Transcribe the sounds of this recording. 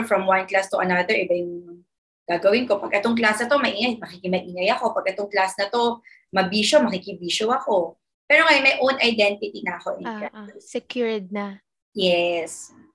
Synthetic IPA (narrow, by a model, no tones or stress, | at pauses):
fɹɐmwɐnklast̪ʊʔɐ̰nɐd̪ɛɹʔɪbajʊŋ | ɡ̥aːɡɐwɪnko̞pɐɡʔɛt̪oŋk̬lasnɐt̪o̞mɐʔiːŋɐjmɐkiːkɪmɐʔiːŋɐjɐko̞pɐɡ̚ʔɛt̪oŋklasnɐt̪o̞ | mɐbiːʃomɐkiːkɪbiːʃowɐko̞ | pɛːɾoŋɐjonmɐjʔownɐjd̪ɛnt̪ɪt̪inɐɐko̞ʔɛnkasɛkjuɹd̪̚nɐ | jɛs